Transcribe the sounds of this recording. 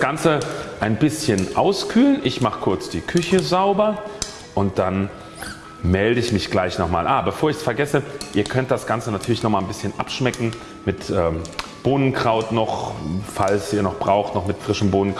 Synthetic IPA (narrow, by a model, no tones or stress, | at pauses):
sɡ̥ant͡səʔaɪnbɪsçənʔa̰ʊskʰyːlənʔɪçmaχə̥kʰʊɐt͡sd̥iːkʰʏçəzaʊbɐ | ʔʊnt̚d̥an | mɛldəɪçmɪçɡ̥laɪçnɔχma̰ːlʔaːbəfoːɐɪçsfɛɐɡɛsəʔiːɐkʰœnt̚d̥asɡ̥ant͡sənatʰyːɐlɪçnɔχmaːlnbɪsçənʔapʃmɛkŋ̩ | mɪtʔɛːb̥oːnənkʁ̥aʊtnɔχfalsiːɐnɔχb̥ʁaʊxtnɔχmɪtfʁ̥ɪʃəmboːnənk